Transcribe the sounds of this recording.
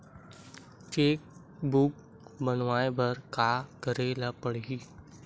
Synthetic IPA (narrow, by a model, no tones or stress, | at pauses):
t͡ʃeːk̚ | buk | bənʋaːẽbʱəɾkaːkəɾeːlapəɽɡi